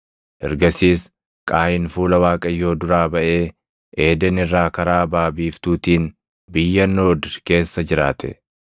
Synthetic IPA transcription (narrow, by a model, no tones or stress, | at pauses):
ʔɛ̰ɾɡɐsiːs | kʼaːʔɪnfuːlɐwaːkʼɐjːo̞ːd̪ʊɾaːbɐʔe̞ː | ʔe̞ːd̪ɛnɪrːaːkɐɾaːbaːbiːft̪uːt̪iːn | bɪjːɐnːoːd̪ke̞ːsːɐd͡ʒɪɾaːt̪ɛ̰